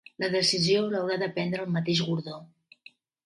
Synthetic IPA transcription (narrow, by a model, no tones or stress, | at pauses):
ləðəsizioləwɾaðəpɛnd̪ɾəːlˠmət̪eʒɣuɾðo